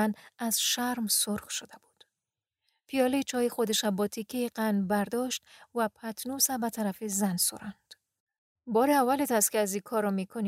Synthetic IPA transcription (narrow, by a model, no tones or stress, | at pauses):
naz̥ʃaɾmsʊɾxʃod̪abud̪̥ | fijɒlit͡ʃʰɒjixod̪eʃabɒt̪ʰikʰiqanbæɾd̪ɔʃt̪vapʰat̪ʰnusabat̪ʰaɾafizanso̰ɾand̪̥ | bɒɾiavalet̪ʰast̪keazikʰɔɾɔmikʰoni